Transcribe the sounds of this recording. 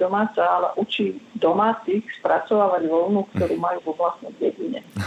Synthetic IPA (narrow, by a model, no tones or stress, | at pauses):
ɔmaːt͡saalɛ̰ʔut͡ʃiːd̪ɔmaːt͡s̪iːxspɾat͡sɔʋaːʋaɟʋɔlnukt̪ɔɾuːmajuːvɔblast̪nɛjɟɛɟiɲɛ